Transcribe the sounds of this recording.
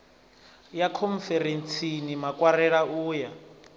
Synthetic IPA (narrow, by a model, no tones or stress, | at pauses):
jakʰɔɱfɛɾent͡sʰinimakʼwaɾɛɺauːja